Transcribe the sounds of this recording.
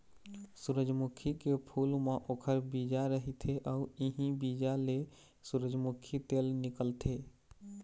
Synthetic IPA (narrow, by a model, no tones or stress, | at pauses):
suɾəd͡ʒmʊkʰikepʰuːlmãʔoːkʰəɾbiːd͡ʒaɾəɦit̪ʰeʔɔːuiɦĩbid͡ʒale | suɾəd͡ʒmʊkʰit̪eːlnɪkəlt̪ʰeː